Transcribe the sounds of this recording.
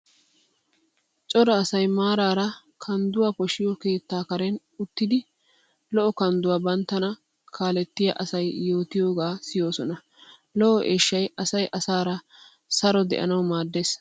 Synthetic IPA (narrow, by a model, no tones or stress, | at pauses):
t͡ʃʼɔɾɐːsɐjmaːɾaːɾɐ | kʰɐnd̪ʊwaːpɔʃɪjɔke̞ːt̪ːaːkɐɾɛn | ʊt̪ːɪd̪ɪ | lɔʔɔkɐnd̪ʊwaːbɐnt̪ːɐnɐ | kʰaːlɛt̪ːɪjɐʔɐsɐjːo̞ːt̪ɪjo̞ːɡaːsɪjo̞ːsɔnɐ | lɔʔɔʔeːʃːɐjɐsɐjʔɐsaːɾɐ | sɐɾɔd̪ɛ̰ʔɐ̰nɐwmaːd̪ːe̞ːs